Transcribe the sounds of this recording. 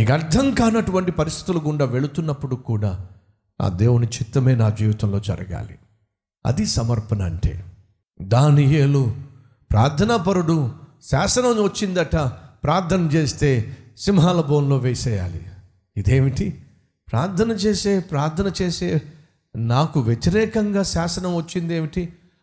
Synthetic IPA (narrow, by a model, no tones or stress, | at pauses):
iːkɐɾd̪ʰʱɐŋkaːnɐʈuʋɐɳʈipɐɾist̪ʰi̥t̪uluɡuɳɖɐʋe̞ɭut̪unːɐpːuɽukuːɽaː | nʔa̰ːd̪e̞ːwunit͡ʃit̪ːɐme̞ːnaːd͡ʒiːʋɐt̪ɐmlo̞ːd͡ʒɐ̰ɾɐɡa̰ːlḭ | ɐ̰d̪isɐmɐɾpɐnɐɐɳʈḛː | d̪aːnijeːlu | pɾaːɾt̪ʰɐnapɐɾuɽu | saːsɐnɐmʋɐt͡ʃːind̪ɐʈːapɾaːɾt̪ʰɐnɐmt͡ʃe̞ːst̪e̞ːsimɦaːlɐbo̞ːnlo̞ːʋeːsɛːja̰ːlḭ | id̪eːmiʈi | pɾaːɾt̪ʰɐnɐt͡ʃe̞ːseːpɾaːɾt̪ʰɐnɐt͡ʃe̞ːse̞ː | naːkuʋjet̪iɾɛːkɐŋɡaːsaːsɐnɐmʋɐt͡ʃːind̪e̞ːmiʈi